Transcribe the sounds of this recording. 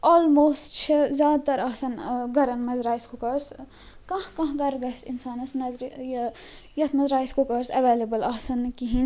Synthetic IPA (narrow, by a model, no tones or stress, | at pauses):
oːlmoːstt͡ʃʰizʲjaːd̪̚t̪ɐɾɐːsɐnɡɐɾɐnmɐzɾaːiskukɐɾs | kɐ̃hkɐ̃ɦɡɐɾɡɐsinsaːnɐsnɐzɾj | jɐt̪ʰmɐzɾaːjiskukɐɾsɐʋeːlebɐlɐːsɐnkiɦin